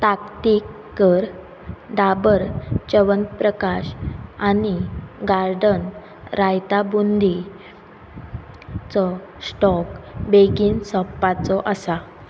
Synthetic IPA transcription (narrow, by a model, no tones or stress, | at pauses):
t̪akt̪ikːəɾ | ɖabəɾt͡ɕəʋənt̪̚pɾəkaɕañiɡaɾɖən | ɾajt̪abund̪ʱi | t͡sɔ | sʈɔkbeɡiːnsəpːat͡sɔʔəsa